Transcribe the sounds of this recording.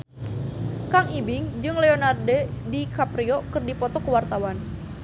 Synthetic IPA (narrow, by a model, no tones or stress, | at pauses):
kaŋibɪŋd͡ʒɨŋleonardɛdikapɾiɔkɨrdipɔt̪ɔkəwart̪awan